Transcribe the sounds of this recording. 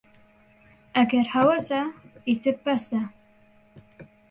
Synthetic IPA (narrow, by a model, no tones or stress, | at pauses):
aɡʲarħawazaitʰɨpːasa